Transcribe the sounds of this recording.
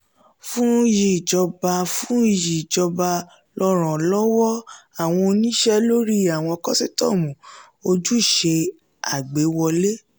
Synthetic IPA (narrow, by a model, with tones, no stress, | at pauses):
fũ˦˧˦ji˨d͡ʒɔ˧ba˧fũ˦i˧˨ji˨d͡ʒɔ˧ba˧ | lɔ˧ɾ̃ɔ̃˨lɔ˦wɔ˦a˦˨w̃ɔ̃˧o˧nĩ˦ʃɛ˦lo˦ɾi˦a˨w̃ɔ̃˧ɔ˧kɔ˦si˦tɔ̰˦˨mũ˨ | o˧d͡ʒu˦˨ʃe˧ | a˨ɡ͡be˨˦wɔ˧le˦